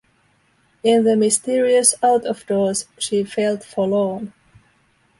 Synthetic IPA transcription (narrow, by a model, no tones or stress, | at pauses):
ɪ̃nðəmɪstɪɹiɨsaʊtɔvdɔːɹz̥ʃiːfeɪlˠdfɔlõn